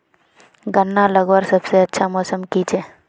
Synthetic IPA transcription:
ɡənːaləɡwəɾsəbseətːʃʰamoːsəmkit͡ʃe

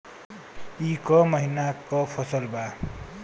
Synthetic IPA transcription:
ikʌmʌɦinakʌpʰʌsʌlba

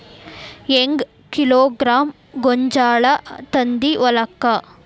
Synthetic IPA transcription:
eŋɡ | kiloːɡɾaːm | ɡoɲd͡ʒaːɭɐt̪ɐnd̪iʋɐlɐkːɐ

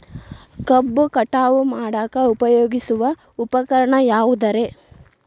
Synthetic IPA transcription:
kɐbːukɐʈaːʋumaːɽaːkɐupɐjoːɡisuʋɐ | upɐkɐɾɐɳɐjaːʋud̪ɐɾe̞

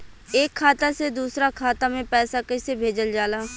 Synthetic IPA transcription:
eːkʰːaːt̪ased̪uːsɾakʰaːt̪amẽpɛːsakəsebʱeːd͡ʒəld͡ʒaːlaː

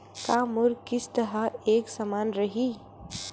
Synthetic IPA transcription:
kaːmʊɾkɪst̪əɦəeːksəmaːnɾɐɦi

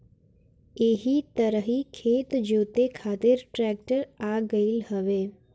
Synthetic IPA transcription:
eːɦit̪əɾəɦikʰeːt̪d͡ʒoːt̪ekʰaːt̪ɪɾʈɾɛːk̚ʈəɾaːɡəilhəʋeː

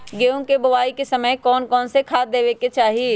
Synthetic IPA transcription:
ɡeːʊ̃kebʊʋaːikesɐməjkɔːnkɔːnsekʰaːd̪eːʋeket͡ʃaːɦie

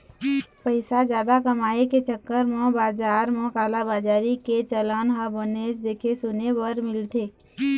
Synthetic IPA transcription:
pəɪsad͡ʒjaːd̪akəmaːeket͡ʃəkːəɾmɔ̃baːd͡ʒaːɾmɔ̃kaːlabaːd͡ʒaːɾiket͡ʃələnɦaboneːd͡ʒd̪eːkʰesʊnebəɾmɪlt̪eː

